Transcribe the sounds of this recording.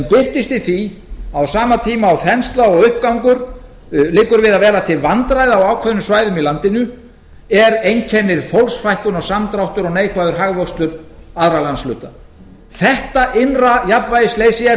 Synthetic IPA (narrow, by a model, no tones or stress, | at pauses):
ɛmpɪr̥t̪ɪst̪ɪθiawsaːmat̪ʰiːmaːwθɛnst̪laɔɣʏhp̚kawŋkʏɾ̥ | lɪːkʏɾvɪðaðvɛːɾat̪ʰɪlvant̪ɾajðaawaːwkʰvɛðnʏmsvaːjðʏmilant̪ɪnʏ | ɛɾejncʰɛnːɪɾ̥fowlsfajhkʏnɔsamt̪ɾawht̪ʏɾɔɣneːjkʰvajðʏɾ̥ɦaɣvowst̪ʏɾaðɾalanslʏ̰ːt̪a | θɛht̪aʔɪnrajap̪vajðɪsleːjsɪɛ